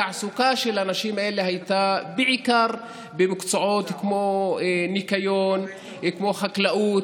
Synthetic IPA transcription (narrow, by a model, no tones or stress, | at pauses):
aʕsukaʃelanaʃimaʔeleɦajt̪abeʕikaʁ | bemakt͡soʕot̪kmonikajon | kmoχaklaʔut